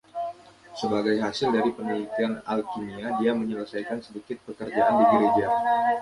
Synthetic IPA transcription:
səbaɡajɦasɪldaɾipənalit̪ianalkiniadiaməɲələsajkansədikɪt̪̚pəkərd͡ʒaʔandiɡəɾed͡ʒa

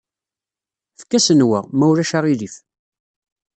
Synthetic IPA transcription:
fkːæsənwəʁmæwɾæʃaʁiðif

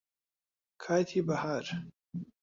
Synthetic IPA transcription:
kʰaːt̪ʰibɐhaːɾ

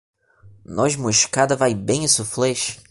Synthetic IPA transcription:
nɔʒmuʃkad̪ɐvajbẽj̃isuflɛʃ

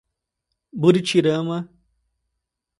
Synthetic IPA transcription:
buɾit͡ɕʰiɾamɐ

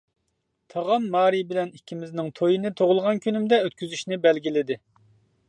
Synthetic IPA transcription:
t̪ʰɑʁɑnːɑːɾibɪlɛnikʲʰːimɪznɪŋt̪ʰojinɨt̪ʰoʁʊlˠʁɑnkʲʰynymd̪ɛøt̪kʲyzyʃnɪbɛlɡʲilɪd̪ɪ

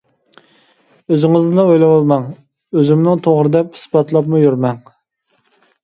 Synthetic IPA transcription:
øzɪŋɨznɨd̪ɑojlˠɑwɑlˠmɑŋ | øzɪmnɪŋt̪ʰoʁɾɨd̪ɛphi̥sbɑt̪ʰlˠɑpmujyɾmɛŋ

